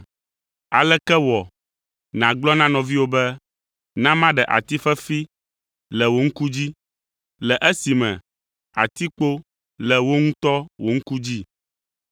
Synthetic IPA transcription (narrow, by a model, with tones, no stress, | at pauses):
a˨lɛ˦kɛ˦wɔ˨ | nã˨ɡ͡blɔ˦nã˦nɔ̃˨vi˦wo˦bɛ˦ | nã˦mã˦ɖɛ˨ʔa̰˨t̪i˦fɛ˦fi˦ | lɛ˨wo˦ŋ̩˦ku˦d͡ʑi˦ | lɛ˨ʔɛ˦si˨mɛ̰̃˨ | a˨t̪i˦k͡po˦ | lɛ˨wo˦ŋũ˦t̪ɔ˦wo˨ŋ̩˦ku˦d͡ʑi˦